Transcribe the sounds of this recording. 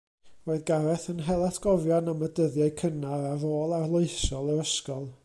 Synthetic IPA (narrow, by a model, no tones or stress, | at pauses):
roːɨðɡaɾɛθənɦɛlˠatʰɡ̥ɔvjɔnamədəðjaɨkʰənaɾaroːlˠarlˠoɨsɔlˠəɾəskɔlˠ